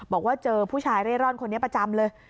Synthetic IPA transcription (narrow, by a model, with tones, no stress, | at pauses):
bɔː˨˩k̚waː˥˩t͡ɕɤː˧pʰuː˥˩t͡ɕʰaː˧jɾeː˥˩ɾɔː˥˩nkʰo˧nːi˦˥ɐpɾa˧t͡ɕa˧mlɤː˧j